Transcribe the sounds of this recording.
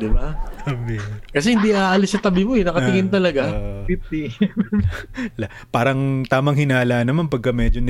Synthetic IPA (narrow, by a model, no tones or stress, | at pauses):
d̪ɪbat̪ɐbikɐs̬ɛhɪnd̪iʔaːʔɐlɪsːɐt̪ɐbɪmoɛnɐkɐt̪ɪŋɪnt̪ɐlɐɡafip̚t̪i | la | paːɾɐŋt̪aːmɐŋɦɪnaːlaʔnːɐmanpɐɡ̚kːɐmɛːd͡ʒon